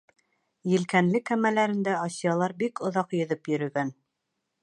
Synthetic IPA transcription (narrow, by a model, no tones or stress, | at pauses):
jɘ̆lkænlɘkæmælæɾɘ̆nd̪æɑsijɑlˠɑɾbikŏðɑqjɵ̆ðɤpjɵ̆ɾɵ̆ɡæn